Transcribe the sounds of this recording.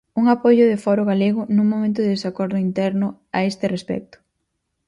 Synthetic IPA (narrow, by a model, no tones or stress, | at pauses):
uŋapojʊðɪfɔɾʊɣaleɣʊnũŋmõmẽnt̪̬ʊðeðesakɔɾðʊint̪ɛɾnʊ | aest̪ɪrespɛ̰k̚t̪ʊ̥